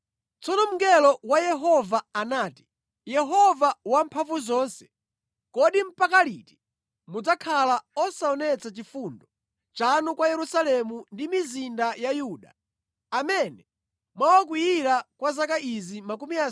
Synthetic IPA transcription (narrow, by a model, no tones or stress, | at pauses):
t͡sɔnɔm̩ŋɡɛlɔwajɛɦɔvaanaːti̥ | jɛɦɔvawampʰaɱvuzɔːnsɛ̥ | kɔɗim̩pakaliti̥ | mud͡zakʰalaɔsaɔnɛt͡sat͡ʃifundɔ | t͡ʃanɔkwajɛɾusalɛmundimizindajajuːɗaː | mɛnɛ | mwawak̬wijiɾakwazakaʔizimakumia